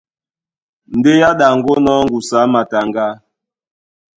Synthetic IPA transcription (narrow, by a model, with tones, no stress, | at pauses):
n̩˨de˦ja˦ɗa˨ŋ˨ɡo˦nɔ˦ŋ̩˦ɡu˨sa˨˦ma˨ta˨ŋɡa˦